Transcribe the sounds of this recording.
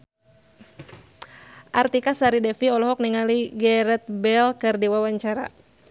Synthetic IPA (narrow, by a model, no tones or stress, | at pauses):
ʔart̪ikasaɾidɛfiɔlɔɦɔk̚niŋaliɡɛɾɛt̪̚bɛlkɨrdiwawaɲt͡ʃaɾa̰